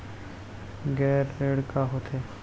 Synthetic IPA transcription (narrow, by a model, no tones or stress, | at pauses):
ɡɛːɾːeːɽkaɦoːt̪ʰeː